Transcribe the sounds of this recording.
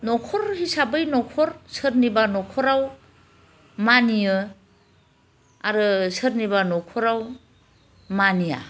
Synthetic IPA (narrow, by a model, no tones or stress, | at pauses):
nɔkʰɔɾhisabɯjnɔkʰɔɾsɯɾnibanɔkʰɔɾaw | manijɯ | aɾɯsɯɾnibanɔkʰɔɾaw | manija̰